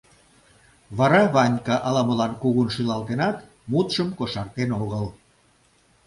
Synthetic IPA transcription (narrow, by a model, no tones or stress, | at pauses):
βɑɾɑβɑnʲkɑʔɑlɑməlɑnkuɣunʃylɑlˠt̪enɑt̪ | mut̪ʃəmkoʃɑrt̪enoɣəl